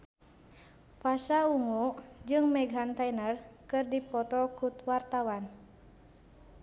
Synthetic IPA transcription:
fasauŋud͡ʒɨŋmɛɡɦant̪anərkɨrdipɔt̪ɔkut̪wart̪awan

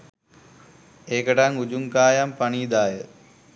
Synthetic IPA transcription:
eːkəʈaŋud͡ʑuŋkaːjampɐɳiːd̪aːjə

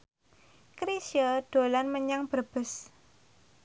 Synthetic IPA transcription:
kɾisjəɖ̥o̤lanməɲaŋb̥ərb̥ə̤s

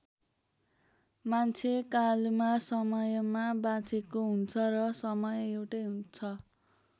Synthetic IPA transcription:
mant͡sʰekalmasʌmʌjmabat͡sekoɦunt͡sʰʌrʌsʌmʌjewʈʌjɦunt͡sʰʌ

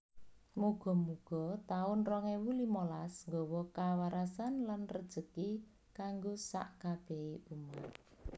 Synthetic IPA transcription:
muɡ̥ɔ̤muɡ̥ɔ̤t̪aʊnrɔŋewulimɔlasŋɡɔwɔkawaɾasanlanrəd̥ʒ̥ə̤ki | kaŋɡosa̰ʔkab̥ɛ̤eʔuma

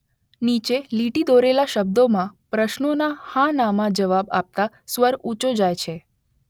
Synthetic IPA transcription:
nit͡ʃeliʈid̪oɾelaʃəb̚d̪omãpɾəʃnonahãnamãd͡ʒəʋaba̰p̚t̪a | sʋəɾut͡ʃod͡ʒajt͡ʃʰe

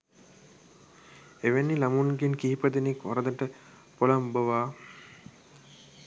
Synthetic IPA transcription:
eʋenːilamunɡenkiɦipəd̪enekʋaɾəd̪əʈə | polambəʋaː

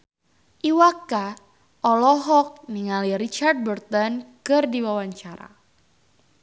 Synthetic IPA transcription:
ʔiwaka | ʔɔlɔɦɔk̚niŋaliɾit͡ʃard̚bərt̪ɔnkɨrdiwawaɲt͡ʃaɾa̰

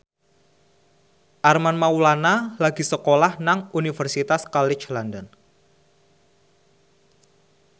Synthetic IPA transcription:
ʔarmanmawlanalaɡ̥i̤səkolahnaŋunifərsit̪askɔlɪt͡ʃlɔndɔn

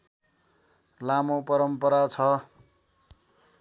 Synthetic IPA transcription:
lamopʌɾʌmpʌɾat͡sʰʌ

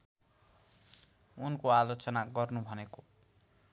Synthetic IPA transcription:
unkoalot͡sʌnaɡʌrnubʱʌneko

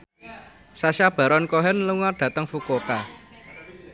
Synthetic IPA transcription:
saʃab̥ä̤ɾɔnkoɦɛnluŋarɖ̥ä̤t̪əŋfukoka

